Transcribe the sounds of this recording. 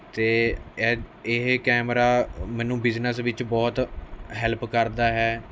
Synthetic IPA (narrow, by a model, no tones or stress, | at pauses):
t̪eːɛːɪɦkɛːmɾaːmɛ̃ːnũːbɪznəsʋɪt͡ʃbɔːt̪ɦɛlpkəɾd̪aːɦɛː